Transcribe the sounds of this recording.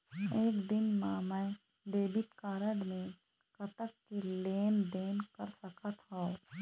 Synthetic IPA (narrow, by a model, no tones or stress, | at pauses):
eːkd̪ɪnmamɛ | ɖeːbɪʈkaːɾəɖmẽ | kət̪əkːeleːnd̪eːnkəɾsəkat̪ʰao